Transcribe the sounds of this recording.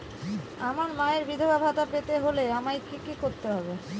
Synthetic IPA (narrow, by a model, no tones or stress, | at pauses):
amaɾmaeɾbid̪ʱobabʱat̪apet̪eɦoleamajkikikoɾt̪eɦɔbe